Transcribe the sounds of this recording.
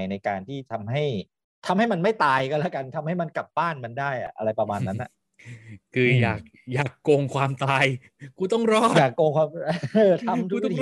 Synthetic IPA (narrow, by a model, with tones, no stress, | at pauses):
jna˧jkaː˧nt̪ʰiː˥˩t̪ʰa˧mɦa˥˩j | t̪ʰa˧mha˥˩jma˧nma˥˩jt̪aː˧jkɔ˧lɛ˦˥ka˧nt̪ʰa˧mha˥˩jma˧nka˨˩p̚baː˥˩nma˧ndaː˥˩jʔa̰˨˩ʔa̰˧ɾa˧jpɾa˧maː˧nːa˦˥nʔa̰˨˩ʔ | kʰɯː˧jaː˨˩k̚jaː˨˩kːo˧ŋkʰwaː˧mt̪aː˧j | kuː˧˩t̪ɔ˥˩ŋɾɔː˥˩aː˨˩kːoː˧ŋkʰwaː˧mɤː˧˩t̪ʰa˧mt̪ʰu˧˥t̪